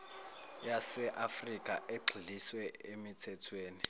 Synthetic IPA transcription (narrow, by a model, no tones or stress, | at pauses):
jasɛʔafrikʼaʔeɡ͡ǀʱiliswɛemitʰɛtʰweːni